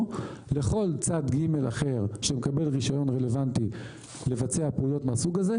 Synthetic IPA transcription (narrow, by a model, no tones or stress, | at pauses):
le̞χo̞lt͡sad̪ɡime̞la̰χe̞ʁʃemekabe̞lʁiʃajo̞nʁe̞le̞vant̪i | le̞vat͡se̞apujo̞t̪measuɡaze̞